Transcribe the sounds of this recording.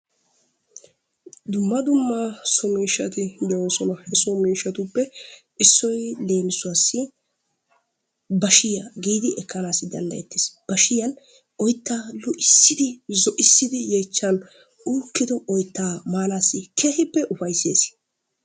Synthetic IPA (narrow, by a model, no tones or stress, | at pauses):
d̪ʊmːɐd̪ʊmːasɔmiːʃːɐt̪ɪd̪ɛwoːsɔnɐhɛsɔmiːʃːɐt̪ʊpːɛʔɪsːɔjle̞ːmɪsʊwasːɪ | bɐʃɪjaɡiːd̪ɪʔɛkːɐnaːsɪd̪ɐ̰nd̪ɐ̰jɛt̪ːɪ̥ːsb̥ɐʃɪjɐn | ʔɔjt̪ːaːlʊʔɪsːɪd̪ɪzɔʔɪsːɪd̪ɪjeːt͡ʃːɐn | uːkːɪd̪ɔʔɔjt̪ːaːmaːnaːsːɪkʰeːhɪpːɛʔʊfɐjsḛːs